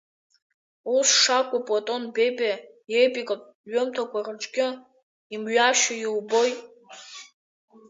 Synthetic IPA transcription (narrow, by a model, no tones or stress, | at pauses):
usʂakʷʼʊpʼotʼo̞nbejba | jejpʼikʼapʼ | ɥɨmtʰakʷarɨʈ͡ʂʼɡʲɪ | imɥaʃajilbojtʼ